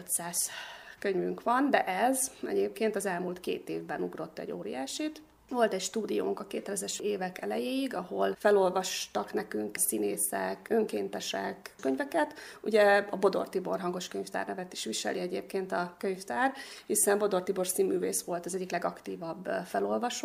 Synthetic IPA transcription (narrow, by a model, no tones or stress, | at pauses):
øt̪saːskøɲvyŋkʋɒnd̪ɛʔɛzɛ̰ɟeːp̚keːnt̪ɒzɛlmuːlt̪kḛːt̪ḛːvbɛnuɡro̞t̪ːɛ̰ɟo̰ːɾḭjaːʃit̪ | vo̞lt̪ɛcʃt̪uːd̪ijo̰ːŋkɒkeːt̪ːɛlɛzɛʃeːvɛkɛlɛjeːjiɡɒɦo̞lfɛlo̞lvɒʃt̪ɒknɛkyŋksineːsɛ̰køŋkeːnt̪ɛʃɛ̰kkø̞ɲvɛkɛt̪uɟɛɒbo̞d̪o̞̰rt̪ibo̞̰rɦɒŋɡo̞ʃkøɲft̪a̰ːrnɛvɛt̪iʃʋiʃɛ̰lʔiɛɟḛːp̚keːnt̪ɒkøɲft̪aːrhisɛmbo̞d̪o̞rt̪ibo̞rsiːmːyːvḛːsʋo̞lt̪ɒzɛɟːiklɛɡɒkt̪iːvɒbːfɛlo̞lvɒʃo